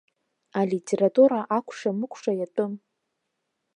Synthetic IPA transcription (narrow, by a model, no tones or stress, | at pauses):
alitʲʼʰe̞ɾatʼuɾaʔakʷʰʼʂamɨkʷʰʂajatʼɨm